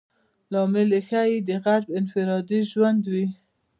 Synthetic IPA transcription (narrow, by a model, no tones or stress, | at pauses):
lɑmɪlexajid̪əɣaɾbɪnfɪɾɑd̪iʒwand̪wi